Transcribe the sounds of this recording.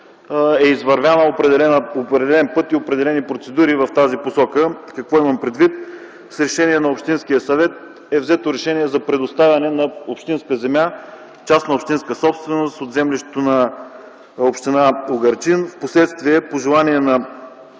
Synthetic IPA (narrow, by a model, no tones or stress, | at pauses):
ɛizvɐɾvʲjanəopɾɛd̪ɛlɛopɛd̪ɛlɛnpɤt̪iopɾɛd̪ɛlɛnipɾot̪sɛd̪uɾivɐft̪aziposɔkəkɐkvɔimɐmpɾɛd̪vit̪̚ | sɾɛʃɛniɛnɐopʃt̪insk̟ijəsɐvɛt̪̚ | ɛvzɛt̪oɾɛʃɛniɛzɐpɾɛd̪ost̪avʲɐnɛnɐopʃt̪inskəzɛmʲja | t͡ʃasnɐopʃt̪inskəsɔpst̪vɛnost̪od̪zɛmliʃt̪ɛ̥t̪onɐ | opʃt̪inaoɡɐɾt͡ʃinfposlɛt̪st̪viɛpoʒɛlˠaniɛnɐ